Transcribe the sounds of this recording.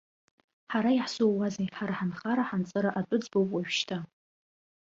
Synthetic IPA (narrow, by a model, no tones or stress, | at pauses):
ħaɾajiħsuwwazejħaɾaħanχaɾaħant͡sʼɨɾaʔatʷʼʊd͡zbowpʼwaɥᶣʃtʰa